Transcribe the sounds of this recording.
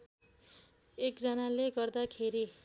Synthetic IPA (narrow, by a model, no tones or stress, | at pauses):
ekd͡zʌnaleɡʌrd̪akʰeɾi